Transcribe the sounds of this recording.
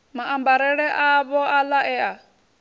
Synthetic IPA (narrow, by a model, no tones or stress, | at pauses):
maʔambaɾɛɺɛʔaβɔʔalaʔɛa